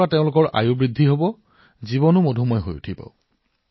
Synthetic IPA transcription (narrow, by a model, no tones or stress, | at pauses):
ateʊ̃lʊkɔɹʔa̰jubɹidʱːiɦobɔ | zibɔnʊmodʱumɔjɦo̰jṵtʰipa̰ʊ